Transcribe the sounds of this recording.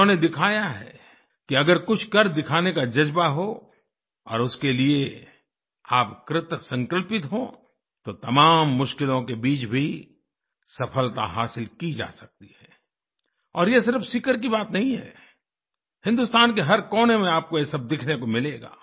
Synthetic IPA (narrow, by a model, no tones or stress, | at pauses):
õned̪ɪkʰaːjaɦɛ̰ː | kiɐɡəɾkʊt͡ʃʰkɐɾd̪ɪkʰaːnekad͡ʒɐd͡ʒbaɦo | ɔ̰ːɾʊskelie | aːpkɾɪt̪sɐ̃ŋkəlpɪt̪ɦõ | t̪ot̪ɐmaːmːʊʃkɪlõkebiːt͡ʃbʱi | sɐpʰəlt̪a̰ɦaːsɪlkid͡ʒa̰ːsɐk̚t̪ihɛː | ɔːɾjesɪɾfsikəɾkibaːt̪nɐɦĩɦɛ̰ː | hɪ̃nd̪ʊst̪aːnk̬eɦɐɾkɔːnemẽaːp̚kojesɐb̚d̪ɪkʰnekomɪleːɡa̰ː